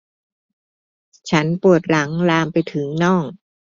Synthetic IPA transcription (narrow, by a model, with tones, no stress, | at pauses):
t͡ɕʰa˦˥npu˨˩ət̪̚ɾa˩˦ŋlaː˧mpa˧jt̪ʰɯ˩˦ŋnɔː˥˩ŋ